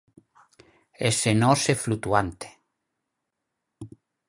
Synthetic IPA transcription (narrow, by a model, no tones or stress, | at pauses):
esenɔseflut̪uant̪e̥